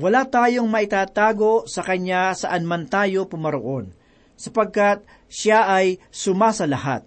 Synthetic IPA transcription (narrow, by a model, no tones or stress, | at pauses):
wɐlat̪aːjo̞ŋmɐʔɪt̪aːt̪aːɡo̞sɐkɐɲasɐʔɐnmant̪aːjo̞pʊmɐɾoʔo̞n | sɐpɐɡ̚kat̪̚ | ʃaʔɐjsʊmasɐlɐha̰t̪̚